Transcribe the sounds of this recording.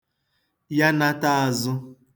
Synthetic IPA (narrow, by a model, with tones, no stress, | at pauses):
ja˦na˦ta˦a˨zʊ˦